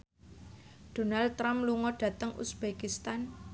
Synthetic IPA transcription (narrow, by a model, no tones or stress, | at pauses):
d̪̥o̤nald̪̚t̪ːɾamluŋɔɖ̥ä̤t̪əŋʔṵsb̥ekist̪an